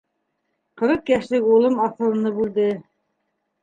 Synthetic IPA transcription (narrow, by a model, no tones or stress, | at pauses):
qɤ̆ɾɤqjæʃlɘkulˠɤmɑθɤ̆lˠɤ̆nɤbʉld̪ɘ